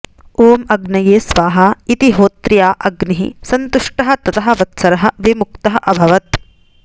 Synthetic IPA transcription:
oːmɐɡnɐjeːsʋaːɦɐit̪iɦoːt̪ɾjaːʔɐɡniɦḭsɐnt̪uʂʈɐɦɐ̆t̪ɐt̪ɐɦɐ̆ʋɐt̪sɐɾɐɦɐʋimukt̪ɐɦɐʔɐbʱɐʋɐt̪̚

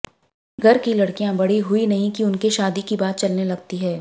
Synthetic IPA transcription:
ɡʱɐɾkilɐɽkijãbɐɽ̤iɦʊinɐɦĩkiʊnkeʃaːd̪ikibaːt̪̚t͡ʃɐlnelɐɡ̚t̪iɦɛː

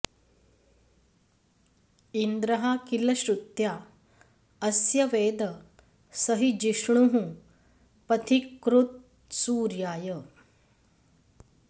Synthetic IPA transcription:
ind̪ɾɐɦakilɐɕɾut̪jaː | ɐsjɐʋeːd̪ɐ | sɐɦid͡ʒiʂɳuɦũ | pɐt̪ʰikːɾut̪̚ | suːɾjaːjə

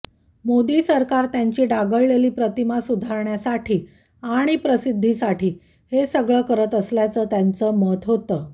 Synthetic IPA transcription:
mod̪iːsəɾkaɾt̪jaɲt͡ɕiːɖaɡəɭːeliːpɾət̪imasud̪ʱaɾɳjasaʈʰiː | aɽ̃ipɾəsid̪ʱːisaʈiː | hesəɡɭəkəɾət̪əsljat͡səːt̪jant͡səːmət̪ɦot̪əː

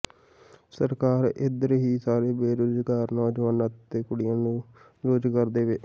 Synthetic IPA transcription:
səɾkaːɾɪd̪əɾɦiːsaːɾeːbeːɾʊzɡaːɾnɔːd͡ʒʋaːnat̪ːeːkʊɽɪjãːnũː | ɾoːd͡ʒkəɾd̪eːʋeː

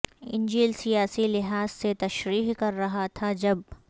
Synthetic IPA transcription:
ɪ̰̃nd͡ʒiːlsijaːsilɪɦaːz̥set̪ɐʃɾiːɦkɐɾːɐɦat̪ʰad͡ʒɐb̚

